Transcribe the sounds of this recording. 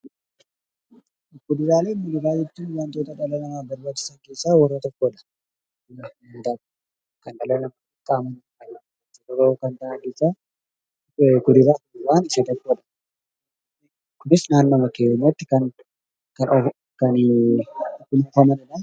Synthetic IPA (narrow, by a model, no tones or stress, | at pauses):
kʊd̪ɪɾaːle̞ːnmɐnɪbaːjːɛt̪ːinwɐnt̪oːt̪ɐᶑɐlɐnɐmaːbɐɾbaːt͡ʃːɪ̥sɐŋkeːsːaːwɐrːɐt̪ɔkːoːᶑɐ̥ | ɐnt̪a | kɐnᶑɐlɐnɐma | kʼaːmɐn | ɐnɐ | t͡ʃːʊɔɾoːkɐnt̪aʔɐŋke̞ːsːaː | kʊd̪ɪɾaːtɪɪɾaːnɪʃɐt̪ɔkːoᶑɐ̥ | kʊnɪsnaːnːɐmɐkeːɲːat̪ːɪ̥kɐn | kɐ | kɐn | kʊlʊfɐmɐnɪᶑɐ